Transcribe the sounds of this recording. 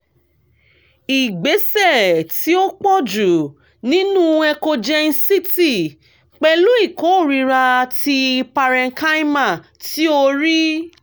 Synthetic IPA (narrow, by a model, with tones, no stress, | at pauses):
i˨ɡ͡be˨˦sɛ˦˨ti˦o˦k͡pɔ˦d͡ʒu˨ | nĩ˦nũ˦˨ɛ˧ko˧d͡ʒɛ˧n̩˧si˦ti˦˨ | k͡pɛ˧lu˦i˦˨ko˨˦o˦˨ɾi˧ɾa˧a˧ti˧pa˧ɾɛ˧ŋ̩˦ka˦i˦ma˦˨ | ti˦o˦ɾi˦